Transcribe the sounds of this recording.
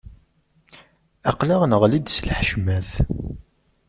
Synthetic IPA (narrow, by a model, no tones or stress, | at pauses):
ɑqlæʁnəʁlid̪səlħʃmæθ